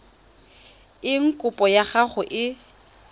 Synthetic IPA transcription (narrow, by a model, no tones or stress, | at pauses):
ɪŋ̩kʼʊpʼɔjaχaχʊʔɪ